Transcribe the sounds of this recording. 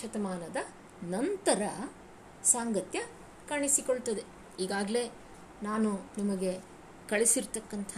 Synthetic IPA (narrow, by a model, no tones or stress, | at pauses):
ɐt̪ɐmaːnɐd̪ɐ | nɐnt̪ɐɾɐ | saːŋɡɐt̪jɐ | kaːɳisikoɭt̪ɐd̪e̞ | iːɡaːɡle̞ː | naːnunɐmɐɡe̞ | kɐɭisiɾt̪ɐkːɐnt̪ʰɐ